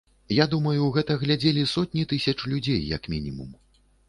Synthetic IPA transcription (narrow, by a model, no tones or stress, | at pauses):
jad̪umɐjuɣɛt̪ɐɣlʲad͡zʲelʲisɔt̪̚ʲnʲit̪ɨsʲɐt͡ʂlʲud͡zʲejːɐ̰kmʲinʲimṵm